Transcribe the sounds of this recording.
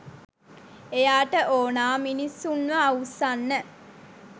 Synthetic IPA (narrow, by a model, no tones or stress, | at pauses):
ejaːʈəʔoːnaːminisːunʋəːwusanːə